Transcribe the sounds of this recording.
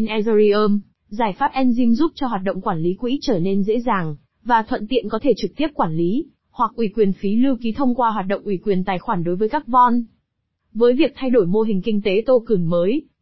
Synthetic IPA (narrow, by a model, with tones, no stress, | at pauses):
nʔɛ˧zɾi˧ʔəː˧m | zaː˧˩jfaː˦˥p̚ʔɛ˧nzi˧mzu˦˥p̚t͡ɕɔ˧ɦwaː˨˩t̚ɗə̰˧˨wŋ͡mkwaː˧˩nli˨˦kwḭ˧˥t͡ɕəː˧˩ne˧nzḛ˧˥zaː˨˩ŋ | vaː˨˩t̪ʰwə̰˧˨nt̪ḭ˧˨ənkɔ˨˦t̪ʰe˧˩t͡ɕɨ˨˩k̚t̪i˦˥əp̚kwaː˧˩nli˨˦ | hwa˨˩k̚ʔwi˧˩kwi˨˩ənfi˨˦lɨ˧wki˨˦t̪ʰə˧wŋ͡mkwaː˧ɦwaː˨˩t̚ɗo̰˧˨wŋ͡mʔwi˧˩kwi˨˩ənt̪aː˨˩jxwaː˧˩nɗo˨˦jvəː˨˦jkaː˦˥k̚vɔ˧n | vəː˨˦jvi˨˩ək̚t̪ʰa˧jɗo˧˩jmo˧ɦï˨˩ŋ̟kï˧ŋ̟t̪e˨˦t̪o˧kɨ˨˩ŋməː˨˦j